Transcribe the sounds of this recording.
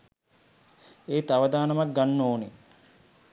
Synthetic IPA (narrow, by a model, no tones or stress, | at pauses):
eːt̪aʋɐd̪aːnɐmak̚ɡanːoːne